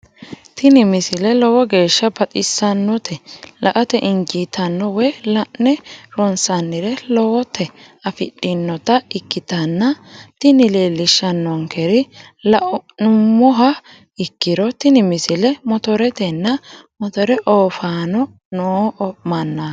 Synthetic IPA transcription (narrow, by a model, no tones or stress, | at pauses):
t̪ɪnɪmɪsɪlɛlɔwɔɡe̞ːʃːɐbɐt̪ʼɪsːɐnːɔt̪ʰɛlɐʔɐt̪ɛʔɪŋd͡ʒit̪ʰɐnːɔwɛlɐʔnɛɾɔnsɐnːɪɾɛlɔwɔt̪ɛ | ɐfɪɗːɪnːɔt̪ɐɪkːɪt̪ɐnːɐt̪ɪnɪleːlɪʃːɐnːɔŋkʰɛɾɪlʔnʊmːɔɦɐ | ɪkːɪɾɔt̪ɪnɪmɪsɪlɛmɔt̪ɔɾɛt̪ɛnːɐmɔt̪ɔɾɛʔoːfaːnɔ | noːɔmɐnːɐ